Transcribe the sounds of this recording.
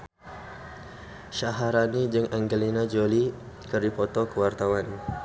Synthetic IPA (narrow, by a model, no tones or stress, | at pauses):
ʃaɦaɾanid͡ʒəŋʔaŋɡəlinad͡ʒoli | kərdipɔt̪ɔkəwart̪awan